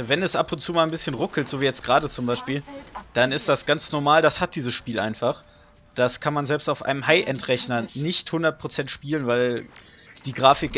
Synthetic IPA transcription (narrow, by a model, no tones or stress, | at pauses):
vɛnɛsʔapʊntt͡suːmaːlnbɪsçənʁʊkl̩tz̥oːviːjɛt͡stɡ̥ʁaːdət͡sʊmbaɪʃpiːld̥anɪstd̥asɡ̥ant͡snɔɐmaːldashat̚d̥iːzəsʃpiːlʔa̰ɪnfaχ | d̥askʰanmanzɛlpstaʊfʔa̰ɪnəmhaɪʔɛntʁɛçnɐnɪçthʊndɐt̚pʰʁ̥ot͡sɛntʃpiːlənvaɪl | d̥iːɡʁaːfɪk